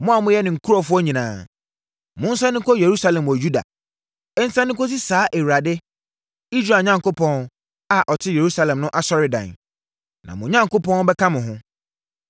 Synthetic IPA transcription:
mʊ̃˦a˨mʊ̃˦jɛ˦nɪ̃˨ŋ̩˨kʰu˦ɾɔ˨fʊ˦ɔ˦ɲĩ˨nãː˨ | mʊ̃˦n̩˦sã˦nɪ̃˦kʰɔ˦je˨ɾu˦sa˦lɛ̃˨mwɔ˨ju˦da̰˨ | ɛ˦n̩˦sã˦nɪ̃˦kʰɔ˦s̬i˦saː˨˦ʔe˨wɾa˨dɪ˦ | i˦sɾa˨ɲã˦ŋko˦pʰɔ̃˦n | a˨ʔɔ˨tʰɪ˦je˨ɾu˦sa˦lɛ̃˨mnʊ̃˦ʔa˦sɔ˦ɾɪ˨dã̰˨n | nã̰˨mʊ̃˨ɲã˦ŋko˦pʰɔ̃˦n˦bɛ˦kʰã˦mɪ̃˨ɦʊ̃˦

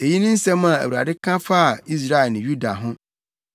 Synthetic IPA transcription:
e˨ji˦nʊ̃˦n̩˦sɛ̃˦mã˨æ̰˨wu˨ɾa̰˨dɪ˦kʰã˦fa˦˨i˦s̬ɾa˦ɛ˨lnɪ̃˨ju˦da˨ɦʊ̃˦

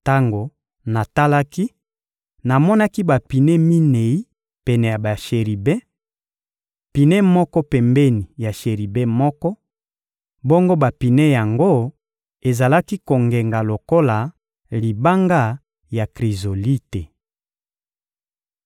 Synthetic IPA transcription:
ta˦ŋɡo˨ | na˨ta˦la˦ki˦ | na˨mɔ˦na˦ki˦ba˨pi˨nɛ˦mi˦ne˨i˦ | pɛ˨nɛ˨ja˨ba˨ʃe˨ʁi˨bɛ̃˦ | pi˨nɛ˦mɔ˦kɔ˦pɛ˨mbɛ˦ni˨ja˨ʃe˨ʁi˨bɛ˦mɔ˦kɔ˦ | bo˦ŋɡo˦ba˨pi˨nɛ˦ja˨ŋɡo˦ | e˨za˨la˦ki˦ko˨ŋɡe˨ŋɡa˨lo˨ko˦la˨ | li˨ba˦ŋɡa˦ | ja˨kʁi˨zo˨li˦te˨

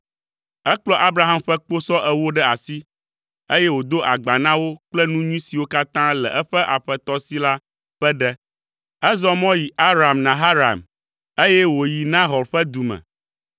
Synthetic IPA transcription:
ɛ˦k͡plɔ˦ʔa˦bɾa˨ɦa˦mɸɛ˦k͡po˦sɔ˦ʔɛ˦wo˦ɖɛ˦a˨si˦ | e˦jɛ˦wo˨d̪o˦ʔa˨ɡ͡ba˨nã˦wo˦k͡plɛ˦nũ˦ɲũ˦si˨wo˦ka˦t̪ã˦lɛ˨ʔɛ˦ɸɛ˦ʔa˨ɸɛ˨t̪ɔ˦si˦la˦ | ɸɛ˦ɖɛ˦ | ɛ˦zɔ˦mɔ̃˦ji˨ʔa˦ɾa˨mnã˨ɦa˦ɾa̰˨m | e˦jɛ˦wo˨ji˨nã˦ɦɔ˨ɾɸɛ˦d̪u˨mɛ̰̃˨

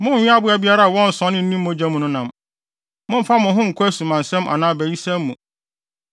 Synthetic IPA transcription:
mʊ̃˦˨ɪ̃˦a˦bʊ˦æ˨bi˦a˦ɾa˦a˨wɔ̃˦n̩˨sɔ̃˦nːɪ̃˦n̩˦nĩ˦mː˦ʊ̃˦d͡ʑɛ˦mʊ̃˨nʊ̃˦nã˨m | mʊ̃˦m̩˦fa˦mʊ̃˨ɦʊ̃˦ŋ̩˨kʰʊ˦æ˦sũ˨mã˨n˨sɛ̃˦mʔa̰˨nãː˦bæ˨ji˦sɛ̃˦mːũ˨

